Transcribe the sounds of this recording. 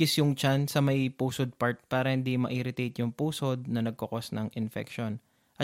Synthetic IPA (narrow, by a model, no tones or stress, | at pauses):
ɪsjʊŋt͡ʃansɐmɐjpuːsod̪̚paɹt̪̚paːɾɐhɪnd̪imɐʔiɾɪt̪ejt̪jʊŋpuːso̞d̪̚nɐnɐɡ̚kokosnɐŋʔɪnfɛ̰kʃo̞n | ʔɐ